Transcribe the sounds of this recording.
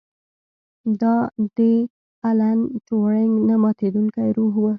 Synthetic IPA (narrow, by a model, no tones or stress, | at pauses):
d̪ɑd̪̥ə | alant͡ʃoɽeŋɡnamɑt̪ed̪uŋkajɾuɦwə